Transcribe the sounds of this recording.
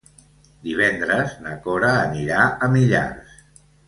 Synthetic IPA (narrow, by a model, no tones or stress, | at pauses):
d̪iβ̞ɛnd̪ɾəznəkɔɾəːniɾaʔəmiʎa̰rs